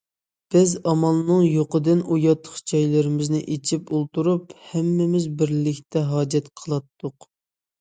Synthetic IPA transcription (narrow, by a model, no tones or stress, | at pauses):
b̥ɪzɑmɑlˠnɨŋjoqəd̪ɨnujɑt̪ʰːə̥χd͡ʒɑjlɪɾɪmɪznɪʔet͡ʃʰipulˠt̪uɾuphɛmːɪmɪzbɪɾlɪkʲt̪ʰɛɦɑːd͡ʒɛt̪qʰəlˠɑt̪ːʊq